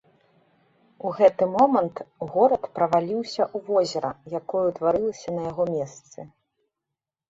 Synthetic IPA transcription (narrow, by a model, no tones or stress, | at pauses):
uɣɛt̪ɨmɔmɐnt̪ɣɔɾɐt̪pɾɐvalʲiwsʲɐʔuvɔzʲɛɾɐjakɔjut̪vaɾɨlˠɐsʲɐnɐjaɣɔmʲɛst̪sɨ